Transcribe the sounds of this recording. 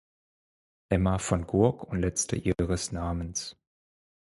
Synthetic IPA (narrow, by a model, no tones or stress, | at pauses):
ʔɛmafɔnɡʊɐkʰʊntlɛt͡stə̰ʔiːʁəsnaːməns